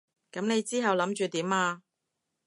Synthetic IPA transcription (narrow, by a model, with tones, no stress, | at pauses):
kɐ˨˥mne˨˧jt͡siː˥ɦɐ˨wlɐ˨˥mt͡ʃyː˨t̪iː˨˥maː˧